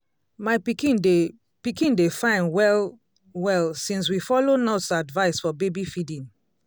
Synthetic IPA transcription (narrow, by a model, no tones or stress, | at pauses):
maɪpikĩn | pikĩndefãɪ̃nwɛl | wɛlsĩns̬wifɔlonɔsadvaɪsfɔbebifidĩn